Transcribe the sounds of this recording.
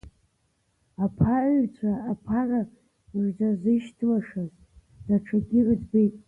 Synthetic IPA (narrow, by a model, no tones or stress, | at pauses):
apʰaʕɥt͡ɕʷʰaːpʰara | mɨʐd͡zazɨʃtʰlaʂaz | daʈ͡ʂʰaɡʲɪrzbejtʼ